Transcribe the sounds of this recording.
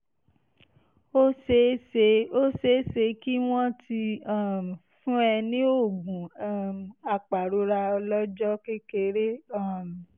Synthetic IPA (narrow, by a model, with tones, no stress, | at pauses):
o˦se˦e˧o˦se˨˦se˧ki˦w̃ɔ̃˦ti˧a˦˨fũ˦ɛ˧nĩ˦o˦˨ɡ͡bũ˨˦˨ | a˨k͡pa˨ɾo˨˦ɾa˧ɔ˧lɔ˦d͡ʒɔ˦ke˦ke˧ɾe˦a˦˨m˨